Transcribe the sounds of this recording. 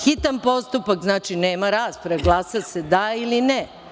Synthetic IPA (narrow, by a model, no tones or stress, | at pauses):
xit̪anpo̞st̪upakznaːt͡ʃineːmaɾaːspɾeɡlˠaːsase̞d̪ailine